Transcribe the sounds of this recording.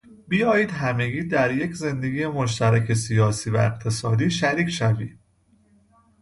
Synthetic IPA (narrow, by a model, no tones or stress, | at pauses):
bijɒːjiːd̪ɦæme̞ɡiːd̪æɾje̞cʰze̞nd̪e̞ɡʲiːje̞mo̞ʃ̬t̪ʰæɾæcʰe̞sijɒːsiːvæ̰eqt̪ʰe̞sɒːd̪iːʃæɾiːcʰʃævḭ̥ː